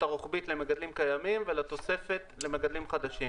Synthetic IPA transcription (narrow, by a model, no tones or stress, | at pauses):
t̪aʁoχbit̪lemeɡad̪limkajamimvelet̪o̞se̞fe̞t̪le̞meɡad̪limχad̪aʃim